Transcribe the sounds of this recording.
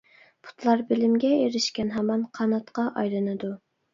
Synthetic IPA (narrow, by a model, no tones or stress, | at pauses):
pʰu̥t̪lˠɑɾbɪlɪmɡʲɛeɾɪʃkʲɛnɦɑmɑnqʰɑnɑt̪qɑʔɑjlˠɨnɨd̪u